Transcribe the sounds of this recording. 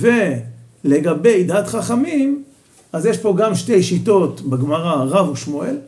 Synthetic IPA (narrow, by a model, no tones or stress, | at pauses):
ve | le̞ɡabejd̪at̪χaχamim | azjeʃpo̞ɡamʃtejʃito̞tbeɡmaʁaʁavuʃmoel